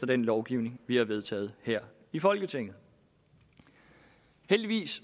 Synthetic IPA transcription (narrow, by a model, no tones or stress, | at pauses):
d̥ɐd̥enlɒʊɡ̥iʊne̝ŋʋihɑ̈ʋe̝ð̞ˠt͡sʰɛ̰ːð̞̩ˠheɐ̰ | ifɒ̽lɡ̥ət͡sʰe̝ŋ̰ð̩ˠ | held̥iʋḭːs